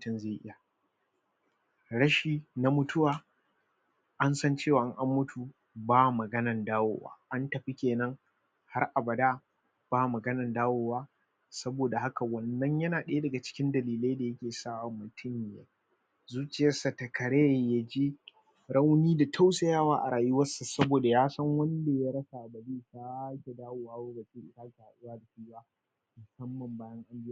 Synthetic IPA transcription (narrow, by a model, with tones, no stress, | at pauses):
tʊ˦nzeː˦˨ʔɪ˦ja˨ | ɽɐ˦ʃiː˦na˦mʊ˦tʰʊ˦waː˨ | ʔa˦nsɐ˦nt͡ʃeː˦˨wa˨˦ŋʔa˦mːʊ˦tu˨ | baː˦˨mɐ˨ɡɐ˦nɐ˨ndaː˦wo̰ː˦˨wa̰ː˦ʔa˦ntɐ˨ɸi˦kʲeː˨nɐ˦ŋ | ha˦rʔa˨bɐ˨da˦ | b̥aː˦mɐ˨ɡɐ˦nɐ˨ndaː˦woː˦waː˦ | sɐ˦boː˨da˨ha˦ka˨wɐ˨nːɐ˦ɲjɐ˦naː˨ɗɐ˦jdɐ˨ɡa˨t͡ʃɪ̥˦kʲɪ˦ndɐ˨liː˨la˦da˨jɐ˦kʲeː˨saː˦wa˨mːʊ˨tʰʊ˦mːɪ˨ja̰ː˦ | zuː˦t͡ʃɪ˨jɐ˦rsɐ˨tɐ˨kɐ˨ɽeː˦˨ja˦d͡ʒi˦ | ɾɐ˦wniː˦da˨tʰa˦wsa˨jaː˦waː˦ʔa˨ɾaː˨jʊ˦wɐ˦sa˨sɐ˦boː˨da˨jaː˦sɐ˦ŋwɐ˦nda˨ja˦ɾɐ˦sa˨ʔa˨bɐ˨ɽiː˦kaː˦kʲe˨daː˦woː˨waː˦woː˦ɡa˨t͡ʃi˦ʔɪ˦taː˦ka˨a˨ʔɪ˦jaː˦da˨ɸi˦waː˦ | mʊ˨sɐ˦mːɐ˨mbaː˦jɐ˦ŋʔa˦mbɪ˦a˦˨